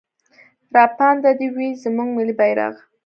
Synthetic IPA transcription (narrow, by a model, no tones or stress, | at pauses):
ɾɑpɑnd̪ad̪iwizəmuŋɡmɪlibajɾa̰ɣ